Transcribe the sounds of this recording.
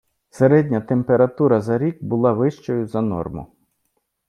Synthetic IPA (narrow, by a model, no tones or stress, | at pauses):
seɾɛdʲnʲɐt̪empeɾɐt̪uɾɐzɐɾʲik̚bʊlˠɑʋɪʃt͡ʃɔjʊzɐnɔ̰rmʊ̰